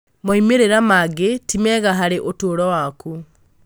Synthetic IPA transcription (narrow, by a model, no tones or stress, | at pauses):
moimeɾeɾamaɡetimɛɣaɦaɾeʔotoːɾɔwaku